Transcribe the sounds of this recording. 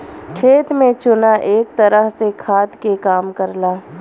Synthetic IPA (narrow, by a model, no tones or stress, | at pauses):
kʰeːt̪mẽt͡ʃʊnaʔeːkt̪ɐɾəɦsekʰaːd̪kekaːmkɐɾlaː